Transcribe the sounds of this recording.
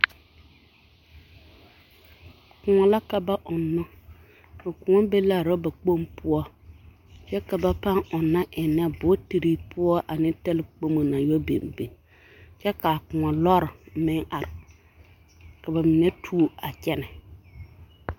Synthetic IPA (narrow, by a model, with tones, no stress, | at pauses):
kʊ˨ŋɔ˨la˦ka˨ba˦ʔʊ˨nːʊ˦ | ɪ˨kʊ˨ŋɔ˦be˦la˦˨ɾo˦ba˨k͡po˦mpʊ˦ɔ˦ | t͡ʃɛ˦ka˨ba˦pa˦ŋʊ˨nːa˦ʔɪ˨nɛ˦bʊ˨˦ti˨ɾi˦pʰʊ˦ɔ˦ʔa˨nɪ˦tɛ˦lɪ˦k͡po˦mo˨na˨jo˦bḛ˨nbḛ˨ | t͡ʃɛ˦ka˨kʊ˨ŋɔ˨lɔ˦ɾɪ˨mɪ˦ŋa˨ɾɪ˨ | ka˨ba˨mɪ˨nɛ˦tʰuː˦˨a˨t͡ʃɛ˦nɛ˨